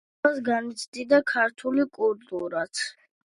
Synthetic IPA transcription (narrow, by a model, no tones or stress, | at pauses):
asɡanit̪sʰd̪id̪akʰaɾt̪ʰulikʼult̪ʼuɾat̪ʰ